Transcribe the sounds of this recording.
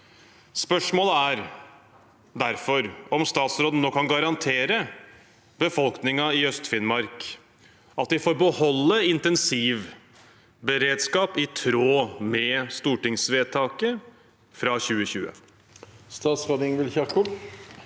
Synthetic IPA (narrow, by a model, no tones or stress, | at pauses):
spœʂmoːləæɾ | d̪æɾfɔɾɔmst̪ɑːt̪sɾoːd̪ənoːkʰɑnɡɑɾɑnt̪ʰeːɾə | bəfɔlknɪŋɑɪœst̪fɪnmɑɾk | ʔɑt̪d̪ɪfoːɾbəhɔlːəɪnt̪ɛnsiːʋ | bəɾeːd̪skɑːpɪt̪ʰɾoːmɛst̪uːʈɪŋsʋeːt̪ʰɑːkə | fɾɑːçʉːəçʉːə̰ | st̪ɑːt̪sʁoːd̪ɪŋʋɪlçɑʁkʰʊ